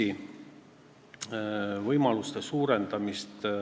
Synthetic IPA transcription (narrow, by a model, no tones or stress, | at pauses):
i | vɤjmɑlust̪esuːɾend̪̥ɑmist̪